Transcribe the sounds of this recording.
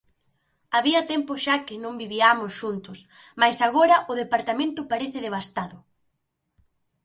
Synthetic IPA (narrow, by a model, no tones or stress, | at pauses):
aβiɐt̪ɛmpʊʃakɪnõmbiβiamʊsʃunt̪ʊs | majsaɣ̞oɾɐʔʊðepaɾt̪amẽnt̪ʊpaɾeθɪðeβ̞ast̪aðʊ